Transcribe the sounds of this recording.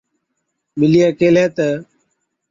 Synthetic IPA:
mɪliːkeːlɛːt̪ə

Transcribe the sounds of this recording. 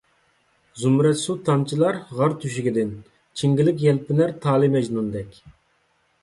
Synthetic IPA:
zumɾɛt̪sut̪ʰːɑmt͡ʃʰilˠɑɾʁɑɾt̪ʰyʃ̬iɡʲɪd̪ɪn | t͡ʃʰiŋɡʲilɪk̬ʲjɛlpɪnæɾt̪ʰɑːlˠɨmɛd͡ʒnund̪ɛkʲ

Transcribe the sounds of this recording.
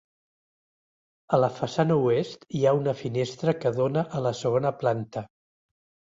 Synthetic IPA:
ələfəsanəuest̪iaunəfinest̪ɾəkəðonəʔələsəɣonəplant̪ə

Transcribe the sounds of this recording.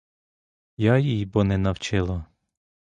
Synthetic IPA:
jajijbɔnɛnɐwt͡ʃɪlˠɐ

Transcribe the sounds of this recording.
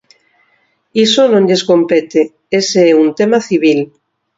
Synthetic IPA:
isonõɲʎesko̞mpet̪e | eseeunt̪emaθiβ̞il

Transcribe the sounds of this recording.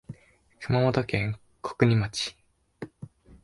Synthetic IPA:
kɯ̟mamot̪okẽŋ | kʰo̥kɯ̟ɲ̟imat͡ɕi̥

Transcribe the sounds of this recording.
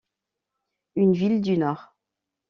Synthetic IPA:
ynvild̪ynɔːʁ

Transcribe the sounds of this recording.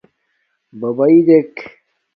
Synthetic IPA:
bɐbɐid̪ek

